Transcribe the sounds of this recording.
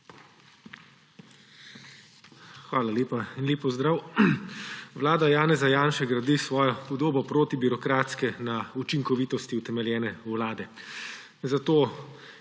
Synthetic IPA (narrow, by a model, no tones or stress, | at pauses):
xʋaːlaleːpainlʲeːpɔzd̪ɾaːw | ʋlaːd̪ajaːnɛzajaːnʃɛɡɾad̪isʋɔːjɔpɔd̪oːbɔpɾoːt̪ibiɾɔkɾaːt̪skɛnaut͡ʃiŋkɔʋiːt̪ɔst̪iut̪ɛmɛljɛːnɛwlaːd̪ɛ | zat̪oː